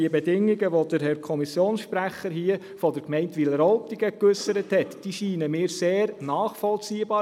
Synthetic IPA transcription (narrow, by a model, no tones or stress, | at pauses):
iəbɛdɪŋːiɡəʋɔd̪əɾɦɛɾkʰɔmisjoːnsʃpɾæχəɾɦiə | fɔd̥əɾkmɛɪntʋiləɾɔʊtɪɡəkʏsːəɾəthɛtd̥iʃiːnəmɪːɾseːɾnɑːχfɔlt͡siːəbɑː